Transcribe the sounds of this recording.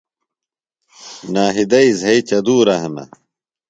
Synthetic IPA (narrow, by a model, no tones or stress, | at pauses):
naːɦid̪ɐizɦɐit͡ɕɐd̪uːɾɐɦɐmɐ̰